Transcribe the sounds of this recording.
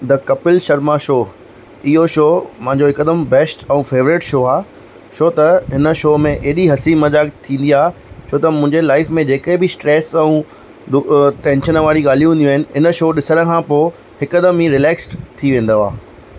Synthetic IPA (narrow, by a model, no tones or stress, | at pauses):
d̪ɐkɐpɪlʃɐɾmaʃoː | ɪɦoʃoːmɐ̃ɦɪ̃ɲd͡ʑoɦɪkəd̪əmbɛːsʈɛ̃ũfeːʋɾɪʈʃoːaː | ʃoːt̪ɐɦɪnə̆ʃoːmẽʔeɗiɦɐsimɐd͡ʑaːɡt̪ʰĩːn̆d̪iaːɦt͡ɕʰoːt̪ɐmʊ̃ɪ̃ɲd͡ʑelaːɪfmẽd͡ʑeːkebɪsʈɾɛːsɛ̃ũ | d̪ʊʈɛ̃ːnʃənʋaːɾiɡaːl̤iũɦũːnd̪iuaɦɪnɪ̆ɪnəʃoːɗɪsəñə̆kʰãːpoː | hɪkəd̪əmĩɾɪlɛːksʈt̪ʰiʋẽːn̆d̪oa̰ː